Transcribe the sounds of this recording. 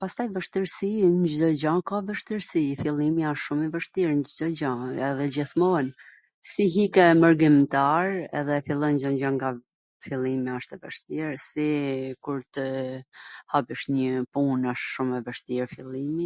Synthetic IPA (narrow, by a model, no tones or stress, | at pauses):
past̪ajvəʃt̪iɾsiɲd͡ʒd̪ɔd͡ʑãkavəʃt̪iɾsifilˠimiaʃʃumɛvəʃt̪iɾnd͡ʒd̪ɔd͡ʑãɛðɛd͡ʑiθmɔɛn | siɦikɛməɾɡimt̪aɾɛ̰ðɛfilˠɔnd͡ʒɔɲd͡ʒaŋɡa | filˠimɛaʃt̪ɛvəʃt̪iɾsikuɾt̪ə | hapiʃɲəpunaʃʃumɛvəʃt̪iɾfilˠimi